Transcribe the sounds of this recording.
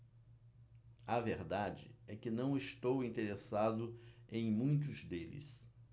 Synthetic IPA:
ɐveɾd̪ad͡ʒɪ̰ɛkɪnɐ̃w̃ɪst̪owĩnt̪eɾesad̪ʊẽj̃mũj̃t̪̬ʊzd̪elɪ̰s

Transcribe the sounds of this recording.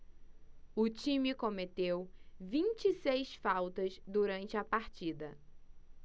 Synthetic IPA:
ʊt͡ʃĩmɪkõmet̪ewvĩt͡ʃisejsfawt̪ɐzd̪uɾɐ̃nt͡ʃɪɐpaɾt͡ʃid̪ɐ

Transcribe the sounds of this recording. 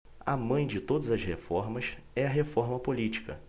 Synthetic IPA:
ɐ̰mɐ̃j̃d͡ʒɪt̪od̪ɐzɐshefɔɾmɐs | ɛɐɦefɔɾmɐpolit͡ʃi̥kɐ̰

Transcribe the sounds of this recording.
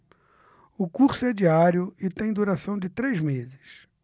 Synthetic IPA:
ʊkuɾsʊɛd͡ʒiaɾjʊɪt̪ẽj̃d̪uɾasɐ̃w̃d͡ʒɪt̪ɾejzmezɪs

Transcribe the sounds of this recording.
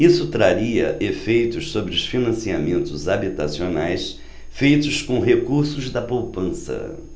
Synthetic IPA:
isʊt̪ɾaɾiɐʔefejt̪ʊssobɾɪʊsfinɐ̃siamẽnt̪ʊzabit̪asionajs | fejt̪ʊskõɦekuɾsʊzd̪ɐpowpɐ̃sɐ̰

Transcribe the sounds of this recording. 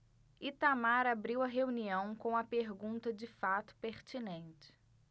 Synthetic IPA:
it̪amaɾabɾiwɐɦeuniɐ̃w̃kõɐpeɾɡũnt̪ɐd͡ʒɪfat̪ʊ̥peɾt͡ʃinẽnt͡ʃɪ̥

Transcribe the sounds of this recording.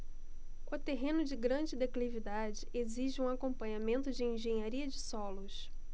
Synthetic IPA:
kat̪eɦẽnʊd͡ʒɪɡɾɐ̃d͡ʒɪd̪eklivid̪ad͡ʒɪʔeziʒɪũakõmpɐ̃ɲamẽnt̪ʊd͡ʒɪẽʒẽɲaɾiɐd͡ʒɪsɔlʊs

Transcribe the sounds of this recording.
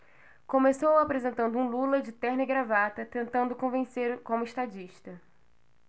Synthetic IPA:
kõmesowapɾezẽnt̪ɐ̃nd̪ʊũlulɐd͡ʒɪt̪ɛɾnɪɡɾavat̪ɐt̪ẽnt̪ɐ̃nd̪ʊkõvẽseɾkõmʊiʃt̪ad͡ʒiʃt̪ɐ

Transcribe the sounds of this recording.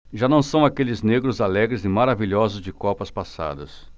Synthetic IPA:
ʒanɐ̃w̃sɐ̃w̃akelɪzneɡɾʊzalɛɡɾɪzɪmaɾaviʎɔzʊzd͡ʒɪkɔpɐspasa̰d̪ɐs

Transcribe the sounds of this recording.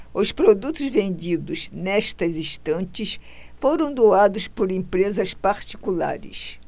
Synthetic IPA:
ʊspɾod̪ut̪ʊzvẽnd̪id̪ʊznɛʃt̪ɐzist̪ɐ̃nt͡ʃɪs | foɾɐ̃w̃d̪oad̪ʊspoɾẽmpɾezɐspaɾt͡ʃ̪i̥kula̰ɾɪ̰s

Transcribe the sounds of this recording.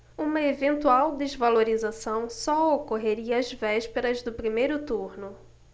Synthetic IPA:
ũmɐevẽnt̪uawd̪ezvaloɾizasɐ̃w̃sɔokoɦeɾiɐːzvɛʃpeɾɐzd̪ʊpɾimejɾʊt̪uɾnʊ

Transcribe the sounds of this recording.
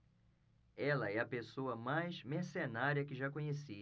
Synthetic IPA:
ɛlɐɛɐpesoɐmajzmeɾsenaɾiɐkɪʒakõɲesi

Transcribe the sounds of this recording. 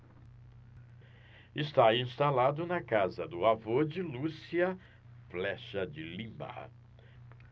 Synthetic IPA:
ɪst̪aĩst̪alad̪ʊnɐkazɐd̪ʊavod͡ʒɪlusiɐ | flɛʃɐd͡ʒɪlĩmba̰

